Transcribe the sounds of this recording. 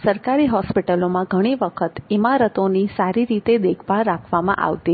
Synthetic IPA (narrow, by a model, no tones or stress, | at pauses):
səɾkaɾiɦɔspiʈəlomãɡʱəɽ̃iʋəkʰət̪imaɾət̪onisaɾiɾit̪ed̪ekʰʋaɾakʰʋamã̰ʔa̰ʋt̪i